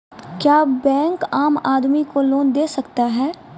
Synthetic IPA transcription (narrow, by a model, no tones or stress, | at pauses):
kjaːbɛ̃ːŋkaːmaːd̪mikoloːnd̪eːsɐkt̪aɦɛː